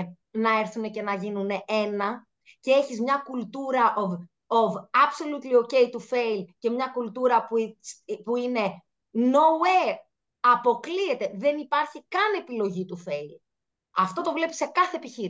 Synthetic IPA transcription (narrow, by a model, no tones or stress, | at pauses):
nɐe̞ɾθune̞ce̞nɐʝinune̞ʔe̞nɐ | ce̞e̞çizmɲɐkult̪uɾɐʔov | ovɐpsolut̪lio̞ce̞jt̪ufe̞ilce̞mɲɐkult̪uɾɐp | puine̞ | no̞ue | ɐpo̞klie̞t̪e̞ðe̞nipɐɾçikɐne̞pilo̞ʝit̪ufe̞il | ɐft̪o̞t̪o̞vle̞pi̥se̞kɐθe̞ːpiçiɾ